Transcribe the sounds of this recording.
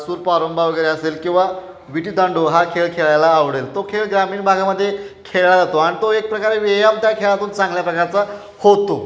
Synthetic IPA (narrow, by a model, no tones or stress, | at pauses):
suːɾpaɾombaʋəɡəjɾeəselkĩw̃ʋa | ʋiʈiːt̪əɳɖoɦakʰeɭkʰeɭajlaːʋɽelt̪okʰeɭɡɾamiːɳbʱaɡaməd̪ʱːjekʰeɭɭad͡zat̪oaɽ̃it̪oek̚pɾəkaɾeʋejamt̪jakʰeɭat̪uːnt͡sãŋɡljapɾəkaɾt͡sa | hot̪o